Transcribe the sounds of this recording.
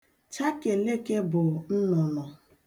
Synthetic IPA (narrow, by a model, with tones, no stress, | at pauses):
t͡ʃa˦ke˨le˦ke˦bʊ˨n̩˦nɔ˨nɔ˨